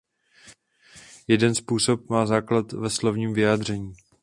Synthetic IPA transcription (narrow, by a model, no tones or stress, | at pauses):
jɛdɛnspuːso̞p̚maːzaːklat̪vɛslo̞vɲiːmvɪjaːdr̝ɛɲiː